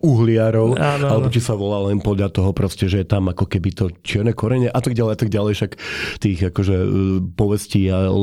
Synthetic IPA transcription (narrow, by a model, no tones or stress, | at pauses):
uɦlɪaɾɔʊaalɛbɔt̪isaʋɔlaːlɛnpɔd̪ʎat̪ɔɦɔpɾɔscɛʒɛjɛt̪amakɔkɛbit̪ɔt͡ɕɪɛɾnɛkɔɾɛɲɛʔat̪aɡɟalɛjat̪aɡ̚ɟalɛjʃakt̪iːɣakɔʒɛpɔʋɛsciːa